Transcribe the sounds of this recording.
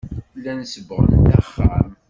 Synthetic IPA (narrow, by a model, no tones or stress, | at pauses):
lːænsəbʁə̰nt̪æχːam